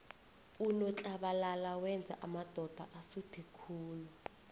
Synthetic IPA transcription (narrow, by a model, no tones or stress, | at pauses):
unɔt͡ɬʼaɓalalawɛnd͡zʱa̰ʔamad̥ʱɔd̥ʱa̰ʔasupʰikʰuːlu